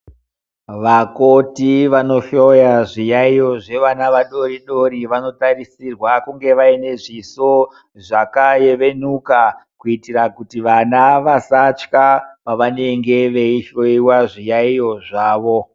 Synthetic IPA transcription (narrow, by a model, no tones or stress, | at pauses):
ʋakotiʋano̞ʃojaʐijaijo̞ʐe̞ʋanaʋaɗo̞riɗo̞ɾiʋano̞tarisirwakuŋɡe̞ʋaine̞ʐiso̞ | ʐakajeʋe̞nukakuitirakutiʋanaʋasat͡ʃkapaʋane̞ŋɡe̞ʋeiʃoiwaʐijaijo̞ʐaːʋo̞